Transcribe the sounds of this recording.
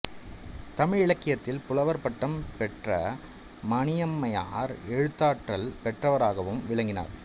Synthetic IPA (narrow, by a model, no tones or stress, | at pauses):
t̪ɐmɪɻɪɭɐkːɪjɐt̪ːɪlpʊlɐʋɐɾpɐʈːɐmpɛʈrɐ | mɐɳɪjɐmːɐjaːɾɛɻɯt̪ːaːʈrɐlpɛʈrɐʋɐɾaːɣɐʋɯmʋɪɭɐŋɡɪna̰ːɾ